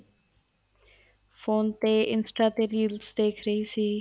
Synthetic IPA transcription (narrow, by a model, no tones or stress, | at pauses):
fʰoːnt̪eːɪnsʈaːt̪eːɾiːlsd̪eːkʰɾəɦiːsiː